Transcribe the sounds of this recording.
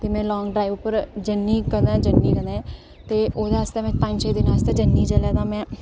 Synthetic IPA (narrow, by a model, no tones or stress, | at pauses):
t̪eːmɛ̃ːlɔːŋɡɖɾaːiʋʊpəɾd͡ʒənːiːkəɾd̪ãːd͡ʒənːiːkəd̪ãːɛ̃ | t̪eːʔoːd̪eəst̪eːmɛ̃ːpə̃ɲd͡ʒt͡ʃeːd̪ɪnaːst̪eːd͡ʒənːiːd͡ʒəlaːd̪ãːmɛ̃ː